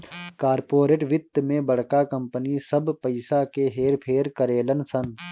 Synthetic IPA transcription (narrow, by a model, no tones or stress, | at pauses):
kaːɾpoːɾeːʈʋɪt̪ːmẽbɐɽ̤kakɐmpənisɐbpɐɪsakeɦeːɾpʰeːɾkəɾeːlənsɐn